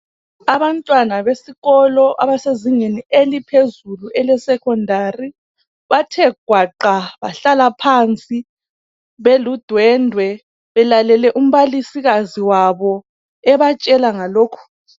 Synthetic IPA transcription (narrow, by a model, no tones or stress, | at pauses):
aβantʼwanaβesiɣɔlɔʔa̰βaseziŋenielipʰezuluʔɛlɛsɛkʰɔndʱari | βatʰɛɡ̥ʱwaǃaβaɬalapʰaːnt͡sʼi | βelud̥ʱwɛndʱwɛ | βɛlalɛlɛʔum̩βalisiɣaziwaβɔ | ɛβat͡ʃʼɛlaŋaloːkʰu̥